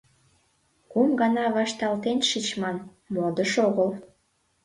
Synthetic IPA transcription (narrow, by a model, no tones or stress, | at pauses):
kumɡɑnɑβɑʃt̪ɑlt̪enʃit͡ɕmɑn | mod̪əʃoɣəl